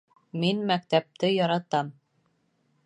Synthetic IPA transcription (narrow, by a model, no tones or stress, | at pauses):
minmæk̚t̪æp̚t̪ɘjɒɾɑt̪ɑm